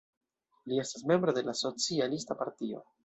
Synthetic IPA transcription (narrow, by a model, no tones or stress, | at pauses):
lie̞stasme̞mbɾod̪e̞laso̞t͡sialistapaɾtio̞̰